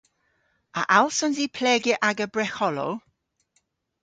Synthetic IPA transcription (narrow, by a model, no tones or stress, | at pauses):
a̰ʔalˠsɔnziːpʰlɛɡɪʔaɡəbrɛxɔlɔ̰l